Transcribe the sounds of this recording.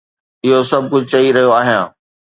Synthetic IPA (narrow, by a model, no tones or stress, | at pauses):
ɪɦosɐb̚ʱkʊd͡ʑʱt͡ɕɐiɾɐɦijoaːɦɪjãː